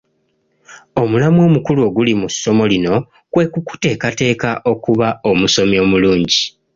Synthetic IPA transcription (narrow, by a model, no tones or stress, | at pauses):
o̞mulamwo̞ːmukuluo̞ɡulimusːo̞mo̞lino̞ | kwe̞kuku̥te̞ːkate̞ːkaʔo̞kuβao̞muso̞mio̞ːmuluːɲɟi